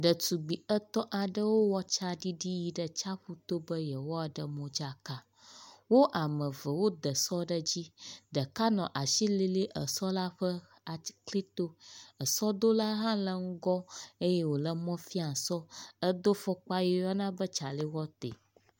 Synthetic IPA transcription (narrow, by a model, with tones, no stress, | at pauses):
ɖə˨tu˨ɡ͡bi˨ə˦t̪ɔ̃˦ʔa˨ɖə˦wo˦wɔ˦t͡ʃa˦ɖi˦ɖi˦ji˦ɖə˨t͡ʃa˦ɸu˦t̪o˦bə˦jə˨wɔ˦a˨ɖə˨mɔ̃˨d͡ʒa˨ka˦ | wo˦ʔa˨mə̃˨və˨wo˦d̪ə˨sɔ˦ɖə˦d͡ʑi˦ɖə˨ka˦nɔ̃˨ʔa˨ʃi˦li˦li˦ʔə˨sɔ˦la˦ɸə˦ | a˨kli˦t̪o˦ə˨sɔ˦d̪o˦la˦ɦã˦lə˦ŋ̩˦ɡɔ˦e˦jɛ˦wo˨lə˦mɔ̃˦fi˦a˨sɔ˦ə˦d̪o˦fɔ˦k͡pa˦jɛ˦jɔ˦nã˦bə˦t͡ʃa˨li˦wɔ˦t̪ḛ˨